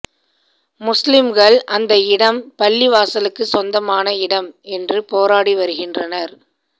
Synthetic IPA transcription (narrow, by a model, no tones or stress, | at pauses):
mʊslɪmɣɐɭʔɐnd̪ɐɪɽɐmpɐlːiʋaːsɐlɯkːɯsɔnd̪ɐmaːnɐɪɽɐmɛndrɯpoːɾaːɽiʋɐɾɯɣɪndrɐnɐɾ